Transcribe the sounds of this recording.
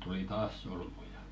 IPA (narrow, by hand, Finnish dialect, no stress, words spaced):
tuli tɑːs solmujɑ